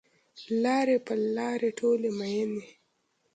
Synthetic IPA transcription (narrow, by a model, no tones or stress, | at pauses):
laːɾɛpalːaːɾɛtʰoːlɛmajɛnɛ